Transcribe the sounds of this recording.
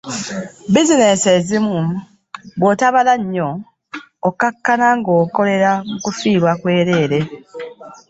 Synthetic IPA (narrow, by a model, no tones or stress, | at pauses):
bizine̞se̞zimu | bwotaβalaɲːo̞ː | kakːanaŋɡo̞ːko̞le̞ɾamukufiːɾwakwe̞ːɾe̞ːɾe̞